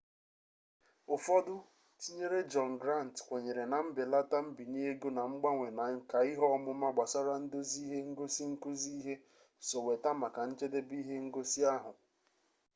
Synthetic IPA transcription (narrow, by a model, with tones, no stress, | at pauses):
ʊ˨fɔ˦dʊ˦ | ti˦ɲe˦ɾe˦d͡ʒɔ˨nɡɾa˦˨n˨tkʷe˨ɲe˨ɾe˨na˨m̩˦bɪ˨la˦ta˦m̩˦bi˨ɲe˦e˦ɡo˦na˨ŋ͡m̩˦ɡ͡ba˦ŋʷe˨na˨˦ka˨i˦ɦɔ˦mʊ˦ma˦ɡ͡ba˨sa˦ɾa˦n̩˦do˦zi˦ɦe˦ŋ̩˦ɡo˦si˦ŋ̩˦ku˦zi˦ɦe˦ | so˨we˨ta˦ma˨ka˨n̩˦t͡ʃe˦de˦bi˦ɦe˦ŋ̩˦ɡo˦si˦a˦ɦʊ˨